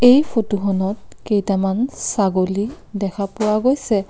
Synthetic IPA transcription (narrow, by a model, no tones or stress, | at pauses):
ejpʰotuxɔnɔt̚kejtamansaɡoli | dɛkʰapʊwaɡojsɛ